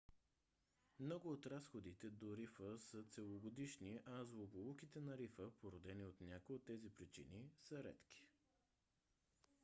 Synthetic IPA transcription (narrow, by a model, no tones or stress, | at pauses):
mnɔɡʊːt̪ɾasxod̪it̪ɛd̪oɾifəsət̪sɛlˠoɡod̪iʃniʔɐzlˠobolˠukit̪ɛnɐɾifəpoɾod̪ɛniot̪nʲakojot̪ːɛzipɾit͡ʃḭnisəɾɛ̰t̪kʲi̥